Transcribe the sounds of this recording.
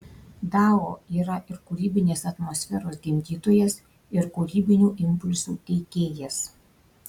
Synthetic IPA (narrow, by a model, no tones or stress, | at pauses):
d̪ɑːoːiːɾɐʔɪɾkuɾʲiːbʲɪnʲeːsɐt̪mɔsʲfʲɛɾoːsɡʲɪmʲd̪ʲiːt̪oːjɛs | ɪɾkuɾʲiːbʲɪnʲuːʔɪmʲpʊlʲsṵːt̪ʲɛɪkʲeːjɛs